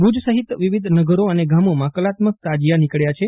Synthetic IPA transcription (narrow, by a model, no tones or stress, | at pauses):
bud͡ʒsəɦit̪ʋiʋid̪ʱnəɡəɾoəneɡamomãkəlat̪mək̚t̪ad͡ʒijanikəɭjat͡ʃʰe